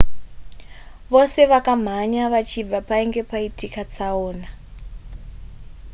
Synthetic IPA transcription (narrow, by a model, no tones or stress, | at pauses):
ʋose̞ʋakam̤aɲaʋat͡ʃʰib͡vapaiŋɡe̞paitikat͡saoːna